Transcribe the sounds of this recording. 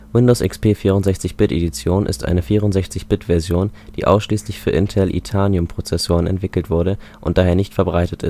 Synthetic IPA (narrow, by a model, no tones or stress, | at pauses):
vɪndoʊsʔɪ̰kspʰeːfiːʁʊntz̥ɛçt͡sɪçb̥ɪtedit͡sjoːnʔɪ̰stʔa̰ɪnəfiːʁʊntzɛçt͡sɪçb̥ɪtv̥ɛɐzjoːnd̥ḭːʔa̰ʊsʃliːslɪçfyːɐʔɪntʰɛlʔḭtʰaːnjʊmpʁ̥ot͡sɛsoːʁ̞ənɛ̰ntv̥ɪkl̩tv̥ʊɐɾəʔʊnt̚d̥aːɦeːɐnɪçtfɛɐbʁaɪtətɪ̰st